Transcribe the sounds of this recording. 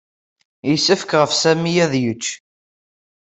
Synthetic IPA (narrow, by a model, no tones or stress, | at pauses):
jəsəfə̥kʁəfsæmijæðjət͡ʃː